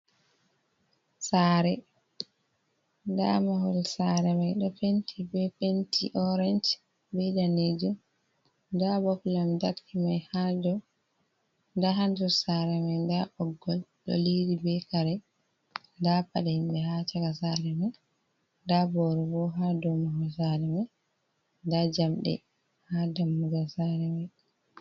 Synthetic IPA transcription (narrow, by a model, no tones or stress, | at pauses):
saːɾɛ | nda̰mahɔlsaɾɛmajɗɔpentʰibɛpentʰḭʔɔɾɛnt͡ʃ | bɛdaned͡ʒu | ndabɔklamdaɾkʰimajhadɔ | ndaɦandusaɾɛmɛndaʔɔɡːɔlɗɔ̰lidibɛkaɾɛ | ndapaɗainɗɛhat͡ʃakasaɾɛma | ndabɔɾɔbɔɦadɔmuhɔs̬aɾɛma | ndad͡ʒamɗɛ̰ | hadamːuɡasaɾɛmaj